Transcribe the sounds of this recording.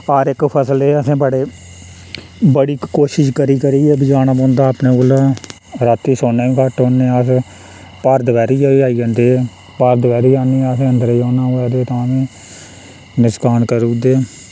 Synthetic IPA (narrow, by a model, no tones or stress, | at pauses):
aːɾɪkpʰəsleːəsẽːbəɽeː | bəɽiːkoːʃɪʃkəɾiːkəɾiːɛːbɪd͡ʒaːnaːbõːnd̪aːpneːoːlaː | ɾat̪ːiːsoːneːĩkaʈõːnːeːəs | pəɾd̪əʋɛːɾiːiaːiːõːnd̪eː | pəɾd̪əʋɛːɾiːaːniːəs̬ẽːənd̪əɾiːõːnãːɛːd̪eːt̪ãːsẽː | nɪskaːnkəɾuːd̪eː